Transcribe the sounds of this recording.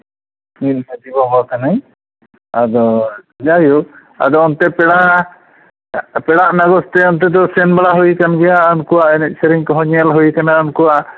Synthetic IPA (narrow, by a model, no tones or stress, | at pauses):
minsad͡ʒibɔbakanaj | ad̪ɔ | d͡ʒaju | a̰d̪ɔɔnt̪ɛpɛɽaʔ | pɛɽaʔnaɡɔst̪ɛɔnt̪ɛd̪ɔsɛnbaɽaɦuikanɡɛjaɔnkuwaʔɛnɛʔ̚səɾiŋkɔɦɔɲalɦuikanaɔnkuwaʔ